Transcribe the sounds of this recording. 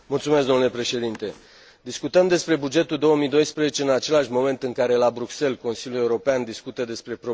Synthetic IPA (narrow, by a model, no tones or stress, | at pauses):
mult̪sume̞s̬d̪o̞mnulepɾe̞ʃe̞d̪int̪e̞ | d̪iskut̪əmd̪e̞spɾe̞bud͡ʒe̞t̪uld̪o̞wəmid̪o̞jspɾezet͡ʃe̞ɨnat͡ʃe̞laʃʲmo̞me̞nt̪ɨŋkaɾe̞labɾukse̞lko̞nsiljulje̞uɾo̞peand̪iskut̪əd̪e̞spɾe̞pɾo